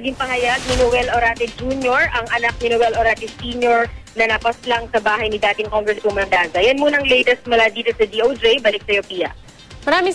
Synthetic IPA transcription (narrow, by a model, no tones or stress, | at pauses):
ɐɡɪŋpɐɦɐjaɡ̚nɪnowɛloɾaːt̪ɛd͡ʒuːnjoɹʔɐŋʔɐnak̚nɪnowɛlʔoɾaːt̪ɛsiːɲjoɹnɐnɐpɐslaŋsɐbaːɦɐjnɪd̪aːt̪ɪŋkoŋɡɾɛnskomɐnd̪aːzɐjɐnmuːnɐŋlɛjt̪ɛst̪̚mɐlad̪iːt̪o̞sɐd̪iʔowdɾɛjbɐlɪk̚sɐjopiːɐ̰ | mɐɾaːmɪŋ